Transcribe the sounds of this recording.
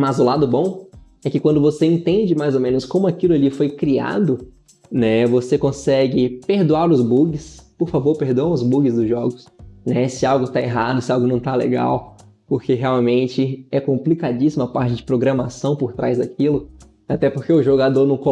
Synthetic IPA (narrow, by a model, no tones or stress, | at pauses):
mazʊlad̪ʊbõw̃ | ɛkɪkwɐ̃nd̪ʊvoseẽnt̪ẽnd͡ʒɪmajzomẽnʊskõmʊakilʊalifojkɾia̰d̪ʊ | nɛvosekõsɛɡɪpeɾd̪uaɾʊzbuɡɪspoɾfavoɾpeɾd̪õʊzbuɡɪzd̪ʊzʒɔɡʊsnɛsɪawɡʊt̪aeɦad̪ʊsɪawɡʊnɐ̃w̃t̪alḛɡa̰w | poɾkeɦeawmẽnt͡ʃɪɛkõmplikad͡ʒisimʊɐpaɾt͡ʃɪd͡ʒɪpɾoɡɾɐmasɐ̃w̃poɾt̪ɾajzd̪akʰilʊ | at̪ɛpoɾkeʊʒoɡad̪oɾnɐ̃w̃ko